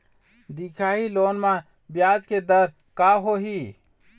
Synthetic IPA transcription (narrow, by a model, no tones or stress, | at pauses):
d̪ikʰaːɦiloːnmã | bjaːd͡ʒked̪əɾ | kaɦoɦi